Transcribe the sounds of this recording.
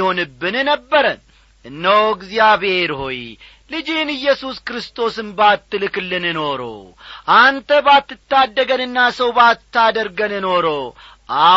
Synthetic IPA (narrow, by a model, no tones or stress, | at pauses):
ho̞nɨbːɨnnəbːəɾən | ʔɨnːəwɡzjaβhe̞ɾho̞j | lɨd͡ʒinɨjːɛsuskɾɨst̪ʰo̞sɨmbat̪ːɨlɨklːɨnɨno̞ɾo̰ʔant̪ʰəbat̪ːɨt̪ːad̪ːəɡənɨnːasəwbat̪ʰːad̪əɾɡənɨno̞ɾo | ʔa